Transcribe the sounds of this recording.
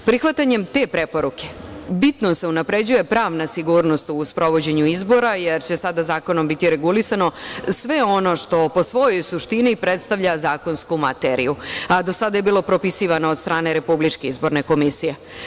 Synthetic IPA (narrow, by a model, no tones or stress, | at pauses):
pɾixʋat̪aɲe̞mt̪e̞pɾe̞po̞ɾuke̞̥bit̪nose̞unapɾe̞d͡ʑuje̞pɾaːʋnasiɡuːɾno̞st̪uspɾo̞ʋo̞d͡ʑe̞ɲuizbo̞ɾaje̞ɾt͡ɕe̞sad̪azaːko̞no̞mbit̪iɾe̞ɡulisano̞sʋe̞o̞no̞ʃt̪o̞po̞sʋo̞jo̞jsuʃt̪inipɾe̞t̪st̪aʋʎazaːko̞nskumat̪eɾḭjuad̪o̞sad̪ajebiːlo̞pɾo̞pisiʋanood̪st̪ɾaːne̞ɾe̞publit͡ʃke̞izbo̞ɾne̞ko̞misije̞